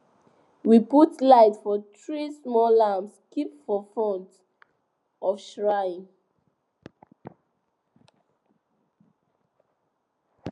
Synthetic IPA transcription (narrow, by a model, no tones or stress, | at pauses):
wiputlaɪtfɔt̪ɹismɔlãmskipfɔfɔ̃nt | ʔɔfʃɹaɪ̃